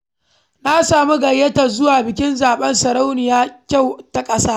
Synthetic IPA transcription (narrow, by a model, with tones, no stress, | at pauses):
na˦saː˨mu˦ɡɐ˨jːɐ˦ta˨zʊ˦waː˨bɪ˨kʲɪ˦nzaː˨ɓɐ˦nsɐ˨ɾa˦wnɪ˨jaː˦kʲa˦˨wta˨kʼɐ˦saː˦